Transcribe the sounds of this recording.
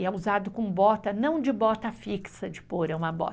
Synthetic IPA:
ɛuzad̪ʊkõbɔt̪ɐnɐ̃w̃d͡ʒɪbɔt̪ɐfiksɐd͡ʒɪpoɾɛũmɐbɔ̰

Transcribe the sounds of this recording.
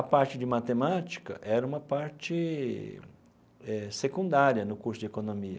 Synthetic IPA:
ɐpaɾt͡ʃɪd͡ʒɪmat̪emat͡ʃi̥kɐ̰ʔɛɾɐũmɐpaɾt͡ʃɪ | ɛsekũnd̪aɾjɐnʊkuɾsʊd͡ʒɪekonõmiɐ̰

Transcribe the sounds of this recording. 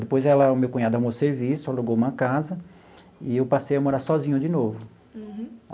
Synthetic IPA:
d̪epojzɛlɐʊmewkũɲad̪ʊamoseɾvisʊɛloɡowumɐkazɐ | ɪewpasejɐmoɾaɾsɔzĩɲʊd͡ʒɪnovʊ

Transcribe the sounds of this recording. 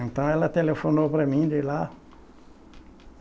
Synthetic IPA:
ẽnt̪ɐ̃w̃ɛlɐt̪elefonopɾɐmĩd͡ʒɪla

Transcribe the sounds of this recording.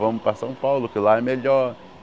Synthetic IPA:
vɐ̃mʊpɾasɐ̃w̃pawlʊkɪlaɛmeʎɔɾ

